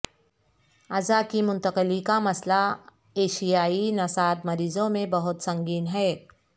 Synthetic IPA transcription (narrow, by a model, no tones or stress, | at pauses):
ɐzakimʊ̃nt̪əqɪlikamɐsla | eːʃijaːinɐsaːt̪mɐɾiːzõmẽbɐɦʊt̪sɐ̃ŋɡiːnɦɛː